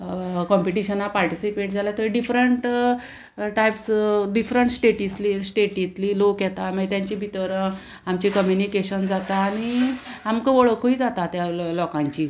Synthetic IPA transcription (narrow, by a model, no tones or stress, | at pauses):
kɔmpiʈiɕənapaɾʈisipeʈ̚d͡zʱalat̪əɖifɾəɳʈ | ʈajpsɖifɾəɳʈsʈeʈislisʈeʈit̪liːlokjɛt̪aməɡet̪jãɲt͡ɕibʱit̪əɾə̃ | amt͡ɕikəmjunikeɕənd͡zat̪aːɽ̃iamkəʋəɭəkoiːd͡zat̪at̪jalɔkãɲt͡ɕiː